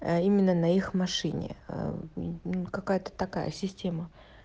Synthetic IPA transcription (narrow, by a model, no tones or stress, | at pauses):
imʲɪnːənɐixmɐʂɨnʲɪ̰ | ukɐkajət̪ə̥t̪ɐka̰jə̰sʲɪsʲtʲe̞mə